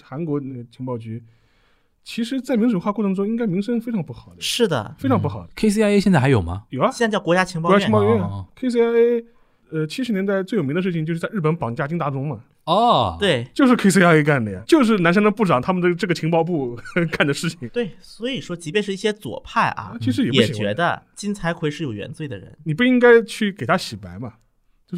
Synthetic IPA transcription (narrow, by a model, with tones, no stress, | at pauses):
xa˧˥nkwɔ˧˥nə˥˩ɡə˩t͡ɕʰi˧˥ŋpɑ˥˧ʊt͡ɕy˧˥ | t͡ɕʰi˧˥ʂɻ̩˧˥t͡sa˥˩ɪmi˧˥ŋʂʈ͡ʂu˨˩xwa˥˧kwʈ͡ʂʰɤ˧ŋʈ͡ʂ̩˥ʊ̃˥i˥ŋka˥ɪmi˧˥ŋʂə˥n̩˥fe˥ʈ͡ʂʰɑ˧˥ŋpu˥˩xɑ˨˩ʊd̪ə˦ʂɻ̩˥˩d̪ə̰˩˦fe˥ɑ˧˥ŋp̬u˥˩xɑ˨˩ʊ̥˦˧kʰe˥ɪs̬i˥a˥e˥ɕjɛ˥˧nt͡sa˥˩xa˧˥jo˨˩ʊmɐ̰˦jo˨˩ʊɐ˦˥˧jɑ˥˧˩kwɔ˧˥t͡ɕja˥t͡ɕʰi˧˥ŋ˥pɔ˧˥ja˥t͡ɕkʰe˥ɪs̬i˥a˥e˥ | ə˧t͡ɕʰi˥ʂɻ̩˧˥njɛ˧˥nt̪a˥˧ɪt͡swe˥˩ɪjm˧˥d̪ə˧ʂɻ̩ʰ˥˩i˧ŋt͡ɕjʂɻ̩˥t͡sa˥˧ɪɻ̩˥˩pə˧˥npɑ˨˩ŋt͡ɕja˥˧˩t͡ɕi˥ŋt̪a˥˩ʈ͡ʂʊ˥ŋmɐ˨ | ɔ˥˧t̪we˥˩ɪt͡ɕjo˥˧ʊʂɻ̩˥˧kʰe˥ɪs̬i˥a˥e˥ka˥˩nd̪ə˩ja̰˩t͡ɕjo˥˧ʊʂ̬ɻ̩˥˩na˧˥nʂa˥ŋə˧˥pu˥˩ʈ͡ʂɑ˨˩ŋt̪ʰa˥mə˨nə˥˧ʈ͡ʂɤ˥˩ɡə˩t͡ɕʰi˧˥ŋpɑ˥˧ʊp̬u˥˩ka˥˩nd̪ə˩ʂɻ̩˥˩t͡ɕʰi˩ŋt̪we˥˩ɪswɔ˧˥i˨˩ʂwɔ˥t͡ɕi˧˥pjnʂɻ̩˥˧i˥˩ɕjɛ˥t͡swɔ̰˨˩pʰa˥˩ɪʔɐ̰˩˥˧t͡ɕʰi˧˥ʂɻ̩˧˥jpjɛ˥˨˩ɕi˨˩t͡ɕɥɛ̰˧˥d̪ə̰˧t͡ɕi˥nt͡sʰa˧˥ɪkʰwe˧˥ɪʂɻ̩˥˩jo˨˩ʊɥɛ̰˧nt͡swe˥˩ɪd̪ə̰˩ɻə̰˧˥nni˨˩p̬u˥˩i˥ŋka˥ɪt͡ɕʰy˥˩ke˨˩ɪt̪ʰa˥ɕi˨˩pa˧˥ɪmɐ˧ | jo˥˧ʂ